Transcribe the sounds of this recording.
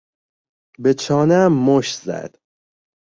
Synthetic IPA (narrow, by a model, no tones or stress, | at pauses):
bet͡ʃʰɒːnæmːoʃzæ̰d̪̥